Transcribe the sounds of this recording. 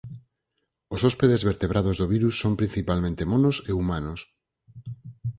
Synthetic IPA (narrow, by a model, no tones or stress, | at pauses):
osɔspeðezβeɾt̪eβ̞ɾʔaðozðoβ̞iɾusːompɾin̟θipalmẽnt̪emonoseumanos